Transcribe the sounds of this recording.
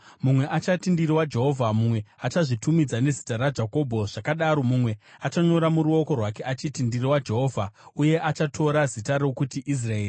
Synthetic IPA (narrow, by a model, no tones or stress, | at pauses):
mumwe̞ʔat͡ʃatindiriwad͡ʒe̞ɦo̞vʱamumwe̞at͡ʃaʐitumid͡zane̞zi̥tarad͡ʒako̞bʱo̞ʐ̥akaɗaɾo̞mumwe̞at͡ʃaɲo̞ɾamuɾuo̞ko̞rwake̞ʔat͡ʃitindiriwad͡ʒe̞ɦo̞ːvʱauje̞ʔat͡ʃatʰo̞ɾazitaɾo̞kutiʔis̬rae̞ːri